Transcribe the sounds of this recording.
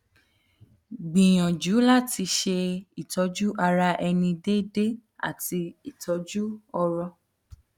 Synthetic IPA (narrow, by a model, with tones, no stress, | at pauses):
ɡ͡bĩ˨j̃ɔ̃˨d͡ʒu˨˦la˦ti˧ʃe˧i˨tɔ˨˦d͡ʒu˦ʔa˧ɾa˧ʔɛ˧nĩ˧de˦de˦a̰˦˨ti˧i˨tʰɔ˨˦d͡ʒu˦ɔ˧ɾɔ˧